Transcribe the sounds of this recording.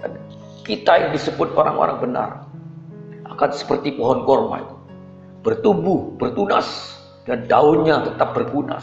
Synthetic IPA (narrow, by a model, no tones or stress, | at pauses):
an | kit̪ajaŋdisəbʊt̪̚oɾa̰ŋo̰ɾa̰ŋbəna̰r | ʔakansə̥pərt̪ipɔɦɔnkɔrma̰ | b̥ərt̪ubʊhb̥ərt̪una̰s | dandaʊnɲat̪ət̪ap̚bərkuna̰